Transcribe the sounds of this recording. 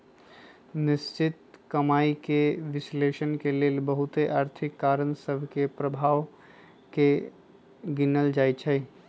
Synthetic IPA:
nɪst͡ʃɪt̪kɐmaːikeʋɪsleːʃənkeleːlbəɦʊt̪eʔaːɾt̪ʰɪkːaːɾənsəbʱkepɾəbʱaːʋ | ke | ɡɪnəld͡ʒaːit͡ʃʰɛ

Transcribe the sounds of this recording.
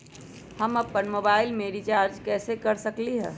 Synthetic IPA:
hɐmɐpːənmoːbaːɪlmeːɾit͡ʃaːɾd͡ʒkɛːsekɐɾsɐkliɦɛ̰ː

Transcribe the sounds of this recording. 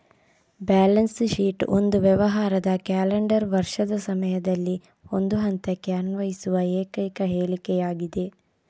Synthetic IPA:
baːlɐnsʃiːʈo̰nd̪uʋjɛʋɐɦaːɾɐd̪ɐkaːleɳɖɐɾʋɐɾʂɐd̪ɐsɐmɐjɐd̪ɐlːi | ond̪uɦɐnt̪ekːeanʋɐjisuʋɐeːkɐjkɐɦeːɭikɛjaːɡid̪e̞

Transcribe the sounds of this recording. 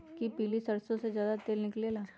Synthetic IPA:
kipiːlisɐɾsõsezjaːd̪at̪eːlnɪkleːlaː

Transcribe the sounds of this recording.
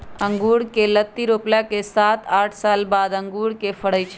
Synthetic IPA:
ə̃ŋɡuːɽkelət̪ːiɾoːplakesaːt̪aːʈʰsaːlbaːd̪ə̃ŋɡuːɽkefʰəɽəjt͡ʃʰe

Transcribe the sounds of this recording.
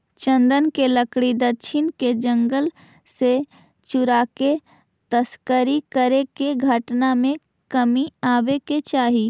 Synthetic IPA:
t͡ʃə̃nd̪ənkeləkɽid̪ətʃʰɪnked͡ʒə̃ŋɡəl | se | t͡ʃʊɾaːke | t̪əskəɾikəɾekeɡʱəʈnamẽ | kəmiaːʋeket͡ʃaːɦi

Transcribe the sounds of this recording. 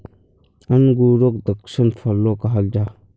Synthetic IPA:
anɡuɾok̚d̪əksənfʰalokaɦalda

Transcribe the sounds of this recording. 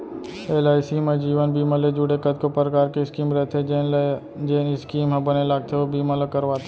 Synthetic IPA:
eːlaːɪsiːmẽd͡ʒiːʋənbiːmaled͡ʒuːɽekəd̪kopɾəkaːɾkeɪskiːmɾɛɦt̪ʰe | d͡ʒenɪskiːmɦɐ̃bɐnelaːɡ̚t̪ʰeobiːmãlokɐɾʋaːt̪ʰe

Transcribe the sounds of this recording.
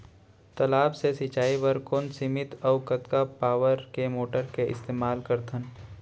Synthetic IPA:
t̪ɐlaːbsesɪt͡ʃaːiʋəɾkoːnsimɪt̪ɔʊkɐt̪kapaːʋəɾkemoːʈəɾkeʔɪ̰st̪eːmaːlkɐɾt̪ʰən

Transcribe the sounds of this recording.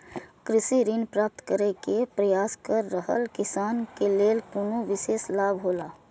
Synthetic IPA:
kɾɪsiɾinpɾaːp̚t̪kəɾekepɾəjaːskəɾːəɦə̰lkɪsaːnkeleːlkuːnoʋɪʃeːslaːbʱɦoːlaː

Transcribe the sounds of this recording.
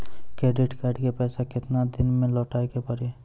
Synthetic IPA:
kɾeːɖɪʈkaɖkepɛːsakɪt̪nad̪ɪnmẽlɔːʈaːjkepəɽe

